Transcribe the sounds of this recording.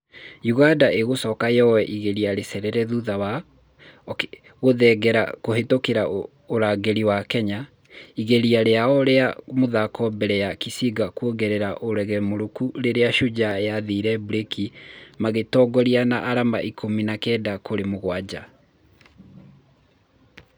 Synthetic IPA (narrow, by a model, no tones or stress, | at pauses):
juɣadaʔeɣosɔkajɔwɛʔiɣeɾiaɾesɛɾɛɾɛðuðawa | ɣoðɛɡɛɾa̰kohetokeɾa | oɾaːɡeɾiwakɛɲa | iɣeɾiaɾeaɔɾeamoðakʰɔbɛɾɛjakisiɡakuoɡɛɾɛɾaʔoɾɛɣɛmoɾokuɾeɾeaʃud͡ʑaejaðiːɾɛbuɾekimaɣetɔɡɔɾianaʔaɾama̰ʔikʰominakɛːdakoɾemoɣwad͡ʑa